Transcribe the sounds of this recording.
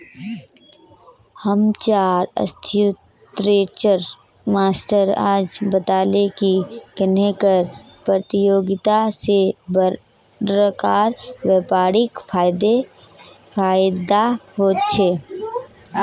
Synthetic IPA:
həmt͡ʃaːɾə̰st̪ʰjʊt | ɾeːt͡ʃəɾ | maːsʈəɾaːd͡ʒbət̪aːlekikənekəɾ | pɾət̪ɪjoːɡɪt̪asebə | ɾəkaːɾwɛpaːɾɪkpʰaːjd̪e | pʰaːjd̪ahoːt̪t͡ʃʰeː

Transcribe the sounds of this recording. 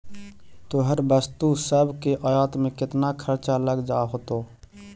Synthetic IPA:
t̪oɦəɾbəst̪usəbʱkeʔəjat̪mekɪt̪nakʰəɾt͡ʃaləɡd͡ʒaɦot̪o

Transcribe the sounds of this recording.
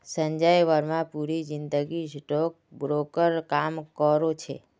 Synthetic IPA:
səɲd͡ʒajʋəɾmãpuɾid͡ʒɪnd̪əɡisʈok̚bɾokəɾkamkəɾot͡ʃʰḛ

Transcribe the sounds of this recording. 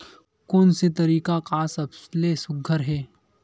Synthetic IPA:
koːnset̪̬ɐɾiːkakaːsɐbslesʊɡʱːəɾɦɛː

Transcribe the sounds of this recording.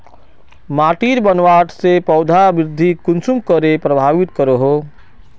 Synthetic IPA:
maːʈiːɾbənʋaːʈʰsepɔːd̪ʱabɪɾɪd̪ʱːikʊnsumkəɾepɾɐbʱaːʋɪt̪kəɾoɦoː

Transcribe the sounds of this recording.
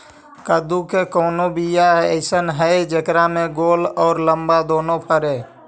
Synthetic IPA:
kəd̪ukekɔːnobijaəɪsənɦəjd͡ʒekɾameɡolɔːɾləmbad̪oːnopʰəɾe

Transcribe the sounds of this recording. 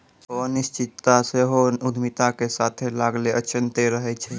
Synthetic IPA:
ɔnist͡ʃit̪ːaseɦoud̪ʱmit̪akesat̪ʰelaɡleət͡ʃʰənt̪eɾəɦɛt͡ʃʰɛ

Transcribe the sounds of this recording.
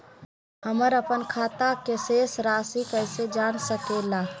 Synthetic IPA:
həməɾəpənkʰaːt̪akeseːsɾaːsikəɪsed͡ʒaːnsəkelaː

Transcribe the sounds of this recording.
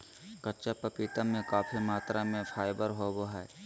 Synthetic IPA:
kɐɾt͡ʃapɐpit̪amẽkaːfʰimaːt̪ɾamẽpʰaːjbəɾɦoboɦɛː

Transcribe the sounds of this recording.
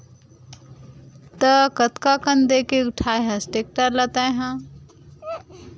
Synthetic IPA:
t̪əkət̪kakənd̪eːkeʊʈʰaːeɦãsʈeːk̚ʈəɾlət̪aeɦã

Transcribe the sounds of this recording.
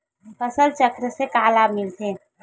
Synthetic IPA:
pəsəlt͡ʃəkɾəsekaːlabmɪlt̪ʰe

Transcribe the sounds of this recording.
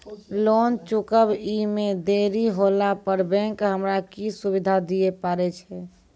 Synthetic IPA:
lont͡ʃukəbimed̪eɾiɦolapəɾbɛ̃ŋkɦəmɾakisubid̪ʱad̪iepaɾɛt͡ʃʰɛ

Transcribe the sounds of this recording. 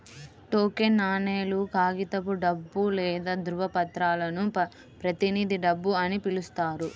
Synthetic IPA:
ʈoːkenːaːneːlukaːɡit̪ɐpuɖɐbːulɛːd̪ɐd̪ɾuʋɐpɐt̪ɾaːlɐnu | pɾɐt̪iniːd̪iɖɐbːuɐnipilust̪aːɾu

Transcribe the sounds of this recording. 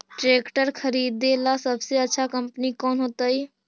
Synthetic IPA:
ʈɾeːkʈəɾkʰəɾiːd̪ːelasəbseətːʃʰakəmpnikɔːnɦoːt̪əi

